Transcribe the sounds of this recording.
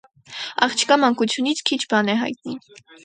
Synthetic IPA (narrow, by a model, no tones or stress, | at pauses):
ɑ̰χt͡ʃʰkɑmɑŋkut͡sʰjunit͡sʰkʰit͡ʃʰbɑnɛɦɑ̰jt̪̚ni